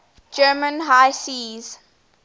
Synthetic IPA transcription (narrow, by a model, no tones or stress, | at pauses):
d͡ʒɜːmə̃nɦaɪsiːz̥